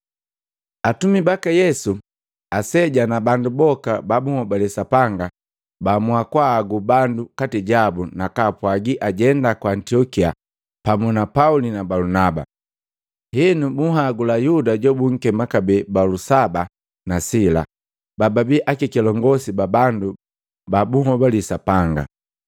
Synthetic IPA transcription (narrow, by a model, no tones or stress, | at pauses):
atumibakajɛsu | asɛɟanabandubɔkababuhɔbalɛsapaŋɡa | bamuakwaːɡubandukatiɟabunakapwaɡiʔaɟɛndakwaːntiɔkia̰ | pamunapaulinabalunaba̰ | hinumuɦaɡulajudaɟɔbuŋ̩kɛmakabɛbalusaba | nasila̰ | bababiʔakikilɔŋɡɔsibabandu | babuŋɔbalisapaŋɡa̰